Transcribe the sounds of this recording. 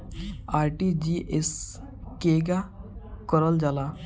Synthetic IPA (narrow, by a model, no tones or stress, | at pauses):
aɾʈid͡ʑiʔes | keɡakəɾəld͡zala